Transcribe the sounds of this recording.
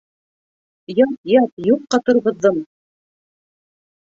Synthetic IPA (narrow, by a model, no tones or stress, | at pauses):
jɑt̪jɑt̪̚juqːɑt̪ɤ̆ɾʁɤ̆ðːɤɴ